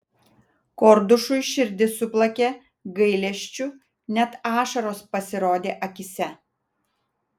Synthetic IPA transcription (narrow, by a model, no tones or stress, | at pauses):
kɔɾd̪ʊʃʊjʃʲɪɾʲd̪ʲɪsʊplˠɐkʲeː | ɡɐɪlʲɛʃʲt͡ʃʲʊ | nʲɛt̪ɑːʃɐɾoːspɐsʲɪɾoːd̪ʲeːʔɐkʲɪsʲɛ